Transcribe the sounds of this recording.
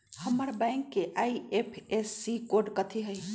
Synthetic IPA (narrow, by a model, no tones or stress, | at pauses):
həmːəɾbãɪŋkːeʔaiepʰesːikoɾɖkət̪ʰiɦəj